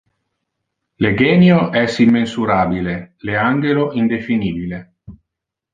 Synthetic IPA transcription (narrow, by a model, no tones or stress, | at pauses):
leɡɛːnjoʔɛsimːensuɾaːbileleaŋɡeloʔind̪efiniːbile